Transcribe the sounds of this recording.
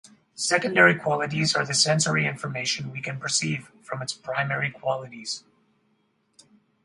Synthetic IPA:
sɛkɨ̃ndɛɹikʰw̥ɑlˠəɾizə˞ðɨsɛ̃nsə˞iɪ̃ɱfə˞meɪʃɨ̃nwikʰɨ̃npʰə˞siv̥fɹʌ̃mɨtspʰɹ̥ãɪ̃mɛɹikʰw̥ɑlˠəɾiz̥

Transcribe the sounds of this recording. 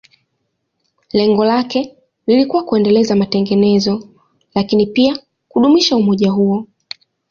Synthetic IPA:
lɛŋɡɔlakɛ | lilikuwakuɛndɛlɛzamatɛŋɡɛnɛzɔ | lakinipia | kuɗumiʃaumɔʄaɦuɔ

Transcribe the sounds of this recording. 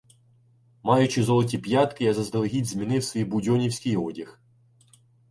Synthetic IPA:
mɑjʊt͡ʃɪzɔlˠɔtʲipjɑt̪kɪjɐzɐzd̪ɐlˠɦʲidʲzʲmʲinɪwsʲʋʲijbʊdʲɔnʲiwsʲkʲɪjɔdʲix

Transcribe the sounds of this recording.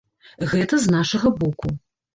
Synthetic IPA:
ɣɛt̪ɐznaʂɐɣɐbɔku

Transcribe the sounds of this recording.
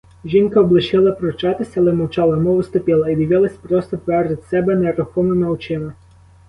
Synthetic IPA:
ʒʲinkɐɔblˠɪʃɪlˠɐpɾɔt͡ʃɑt̪ɪsʲɐːlˠɛmɔwt͡ʃɑlˠɐmɔʋɪst̪ɔpʲilˠɐid̪ʲiʋɪlˠɐsʲpɾɔst̪ɔp̪ʋɛrʒɪt̪ʲsɛbɛneɾʊxɔmɪmɪɔwt͡ʃɪmɪ

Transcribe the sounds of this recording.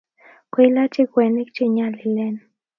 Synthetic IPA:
kʷilat͡ʃikwenikt͡ʃiɲalilen

